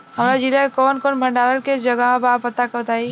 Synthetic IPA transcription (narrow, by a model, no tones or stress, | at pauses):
ɦəmɾad͡ʒilaekɔːnkoːnbʱəɳɖaɾənked͡ʒəɡəmẽbapət̪akəbət̪aːi